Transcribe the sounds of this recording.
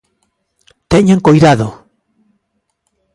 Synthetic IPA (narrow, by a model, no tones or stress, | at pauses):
t̪eɲẽŋkojðaðo